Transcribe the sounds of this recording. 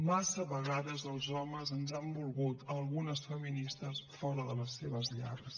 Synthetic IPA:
masəβəɣaðəzəlˠzɔməzənzambulˠɣut̪əlˠɣunəsfəminist̪əsfɔɾəðələsːeβəzʎa̰ɾəs

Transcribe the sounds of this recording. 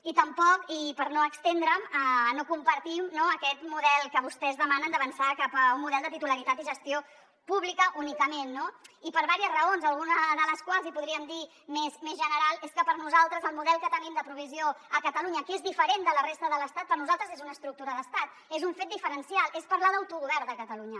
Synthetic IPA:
it̪əmpɔkipəɾnoəkst̪end̪ɾəmənokumpəɾt̪imnoəkɛt̪muðɛlˠkəβust̪ɛzðəmanənd̪əβənsakapəummuðɛlˠd̪ət̪it̪uləɾit̪at̪iʒəst̪io | puβlikəʔunikəmenːoipəɾβaɾiəzrəonzəlˠɣunəðələskwalˠzipuðɾiəmd̪i | mesmezʒənəɾalˠeskəpəɾnuzalˠt̪ɾəzəlˠmuðɛlˠkət̪ənimd̪əpɾuβ̞izioəkət̪əluɲəkezðifəɾend̪ələrest̪əðələst̪at̪̚pəɾnuzalˠt̪ɾəzezunəːst̪ɾuk̚t̪uɾəðəst̪at̪ | ezuɱfet̪̚d̪ifəɾənsialˠespəɾlaðəwt̪uɣuβɛɾd̪əkət̪əluɲə

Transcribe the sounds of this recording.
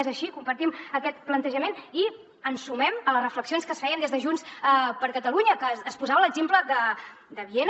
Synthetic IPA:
ɛzəʃikumpəɾt̪iməkɛt̪plənt̪əʒəmeni | ənsumɛmələzrəfləksionskəsfɛjənd̪ezðəʒunsəpəɾkət̪əluɲəkəːspuzaβələɡzempləd̪ə | d̪əβien

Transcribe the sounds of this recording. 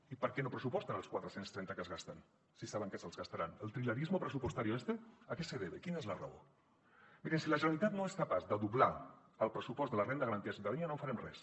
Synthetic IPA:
ipəɾkɛnopɾəsupɔst̪ənəlˠskwat̪ɾəsenst̪ɾɛnt̪əkəzɣast̪ən | sisaβəŋkɛsəlˠzɣast̪aɾanəlˠt̪ɾiləɾizmopɾəsupost̪aɾioest̪eəkɛsəðeβekinezləra̰o̰ | miɾensiləʒənalit̪at̪noeskapazd̪əðuβla | əlˠpɾəsupɔzt̪ələrend̪əɣɐɾənt̪iəsiuwt̪aðiɲanofaɾɛmrɛs

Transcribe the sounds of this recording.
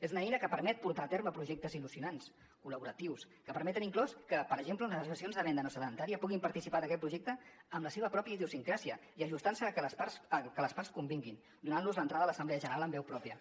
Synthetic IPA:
ezunəɛjnəkəpəɾmɛt̪̚puɾt̪aːt̪eɾməpɾuʒɛk̚t̪əzilusiunans | kuləβuɾət̪iws | kəpəɾmɛt̪əniŋklɔskəpəɾəʒemplənləzβəsionzðəβɛnd̪ənosəðənt̪aɾiəpuɣimpɐɾt̪isipaðəkɛt̪̚pɾuʒɛk̚t̪əːmləseβəpɾɔpjəiðiusiŋkɾasiəiəʒust̪ansəpasəkələspaɾskumbiŋɡin | d̪unanluzlənt̪ɾaðələsəmblɛəʒənəɾaləmbɛwpɾɔpiə

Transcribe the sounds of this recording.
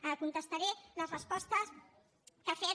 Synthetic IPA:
əkunt̪əst̪aɾeləzrəspɔst̪əs | kəfe

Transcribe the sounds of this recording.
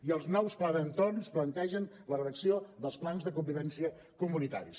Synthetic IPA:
iəlˠznɔwsplaðənt̪ornsplənt̪ɛʒən | lərəðəksioðəlˠsplanzðəkumbiβɛnsiə | kumunit̪a̰ɾis

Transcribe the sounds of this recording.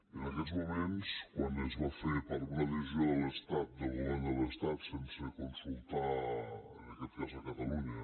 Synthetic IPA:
ənəkɛt̪zmumenskwanəzβafeɾpaɾunələzioələst̪at̪̚d̪əβolenəlˠəst̪at̪sensəkonsulˠt̪aənəkɛt̪kazəkət̪əluɲə

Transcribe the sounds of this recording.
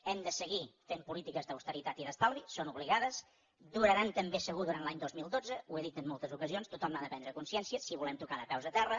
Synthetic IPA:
ɛmd̪əsəɣifempulit̪ikəzðəwst̪əɾit̪at̪iðəst̪alˠβisonuβliɣaðəs | d̪uɾəɾant̪əmbesəɣuðuɾantlaɲd̪ozmilˠd̪od͡zəueðit̪əmːolˠt̪əzukəzionst̪ut̪ɔmnaðəpɛnd̪ɾəkunsiɛnsiəsiβulɛmt̪ukaðəpɛwzət̪ɛrə

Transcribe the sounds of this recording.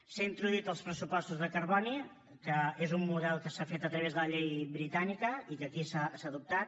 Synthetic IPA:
saint̪ɾuðuwit̪əlˠspɾəsupɔst̪uzðəkərβɔni | kəezumːuðɛlˠkəsafet̪ət̪ɾəβ̞ezðələʎejβɾit̪anikəikəkisasaðup̚t̪at̪̚

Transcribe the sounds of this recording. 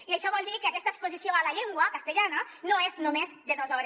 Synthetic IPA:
iaʃɔβɔlˠd̪ikeakɛst̪aekspozisjoalaʎeŋɡwakast̪eʎananoeznumezd̪eðozɔɾe

